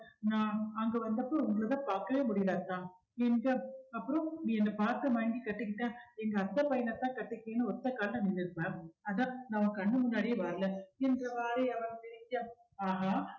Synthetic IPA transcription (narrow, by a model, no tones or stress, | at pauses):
nãːɐŋɡɐʋɐnd̪ɐpːoʊŋɡɐɭɐðãːpaːɾkɐʋeːmʊɽɪjɐlaːɾt̪ãː | ɛndrɐɐpːɯɾõnĩːɛnːɐpaːɾt̪ɯmɐŋɡikɐʈːɯkːɪʈːãːɛŋɡɐːt̪ːɐpɐjɐnɐt̪ːãːkɐʈːɯkːẽːnːɯɔt̪ːɐkaːlnɐnɪnːɪɾɯpːãːɐðãːnɐmɐkɐɳːɯmʊnːaːɽɪjɐʋaːɾɐlɐɛndrɐʋaːɾiɐʋɐnt̪ɛɾɪɲːa | aːɦaː